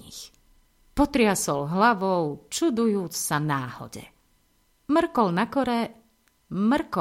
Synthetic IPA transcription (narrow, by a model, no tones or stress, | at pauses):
ix | pɔt̪ɾɪasɔlɦlaʋɔʊt͡ʃud̪ujuːt͡ssanaːhɔ̰ɟɛ̰ | mr̩kɔlnakɔɾɛ | mr̩kɔ